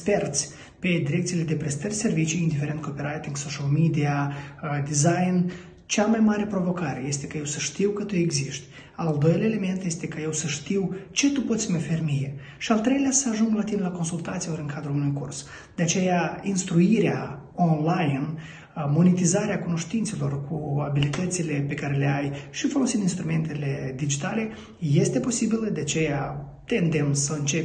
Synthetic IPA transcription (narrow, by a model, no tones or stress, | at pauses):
spe̞rt̪sʲ | pe̞d̪iɾe̞k̚t̪sile̞d̪e̞pɾe̞st̪ərʲse̞rvit͡ʃijːnd̪ife̞ɾe̞nt̪kopeɾajt̪iŋɡsoʃelmid̪iaəd̪izajn | t͡ʃamajmaɾepɾo̞vo̞kaɾe̞̰je̞st̪e̞kəje̞wsəʃt̪iwkət̪ue̞ɡziʃt̪ʲ | ald̪o̞jlʲaele̞me̞nt̪je̞st̪e̞kaje̞wsəʃt̪iwt͡ʃe̞t̪upo̞t̪sʲmefermije | ʃialt̪ɾe̞jleasəaʒuŋɡlat̪imelako̞nsult̪at̪sieloɾɨŋkʰad̪ɾulunujkurs | d̪̥e̞at͡ʃe̞jainst̪ɾuiɾeaonlajn | mo̞nit̪izaɾeakuno̞ʃt̪int̪se̞lo̞rkʰuabilit̪ət̪sile̞pe̞kaɾe̞le̞ajʃifo̞lo̞sind̪inst̪ɾume̞nt̪e̞le̞d̪id͡ʒit̪ale̞ | je̞st̪e̞po̞sibild̪eat͡ʃe̞jat̪end̪emsəɨnt͡ʃe̞p